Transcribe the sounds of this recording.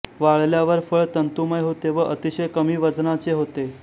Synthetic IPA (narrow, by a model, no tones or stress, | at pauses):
ʋaɭljaʋəɾfəɭt̪ənt̪uməjɦot̪eʋəʔət̪iɕəjkəmiːʋəd͡znat͡seɦot̪e